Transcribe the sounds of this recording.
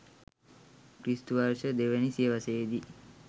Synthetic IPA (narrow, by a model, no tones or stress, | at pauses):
kɾisʈuʋaɾʃəd̪eʋenisijəʋaseːd̪i